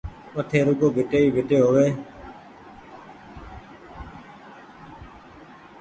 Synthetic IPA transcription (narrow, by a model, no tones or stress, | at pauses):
ʋəʈʰeːɾuːkoːbʱɪʈeːiːbʱɪʈeːɦoːʋeː